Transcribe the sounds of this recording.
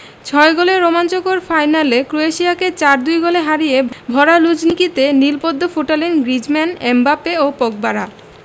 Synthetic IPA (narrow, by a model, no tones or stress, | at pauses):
t͡ɕʰɔeɡoleɾomant͡ɕokoɾfajnalekɾoeʃiaket͡ɕaɾd̪ujɡoleɦaɾijebʱɔɾalud͡ʑnikit̪enilpod̪ʱːofoʈalenɡɾid͡ʑmɛnembapeopɔk̚baɾa